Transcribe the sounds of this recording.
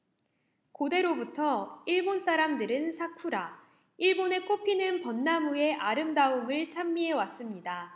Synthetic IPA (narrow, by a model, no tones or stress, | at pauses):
kode̞ɾobutʰʌiɭbons͈ʰaɾamdɯɾɯnsʰakʰuɾa | iɭbone̞kʰopʰinɯnpʌnːamue̞ʔaɾɯmdaumɯɭt͡ɕʰamːiɦe̞was͈ɯmɲida